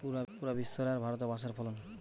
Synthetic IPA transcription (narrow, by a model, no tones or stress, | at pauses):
upuɾabist̪oɾaɾbʱaɾot̪̬obaʃ̬aɾfʰɔlon